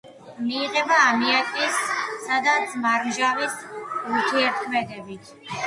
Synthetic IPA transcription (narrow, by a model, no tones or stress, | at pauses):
miːʁɛbaːmiat̪ʼisːad̪at̪sʼmaɾmʒavisuɾt̪ʰiɛɾt̪̚ʰkʰmɛd̪ɛbit̪ʰ